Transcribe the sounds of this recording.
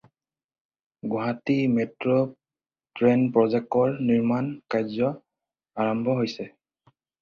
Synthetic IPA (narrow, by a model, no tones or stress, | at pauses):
ɡɔɦatimetɹo | tɹenpɹɔzɛk̚tɔɹniɹmankajzɔ | aɹɔmbʱɔɦojsɛ